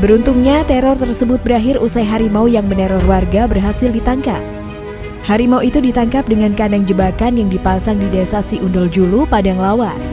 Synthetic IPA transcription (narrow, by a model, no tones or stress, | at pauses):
bəɾunt̪uŋɲat̪ɛɾɔrt̪ərsəbʊt̪̚bəɾaɦɪrusajɦaɾimaujaŋməneɾɔrwarɡabərɦasɪldit̪aŋkap̚ | haɾimauit̪udit̪aŋkap̚dəŋankandaŋd͡ʒəbakanjaŋdipasaŋdidesasiʔundɔld͡ʒulupadaŋlawar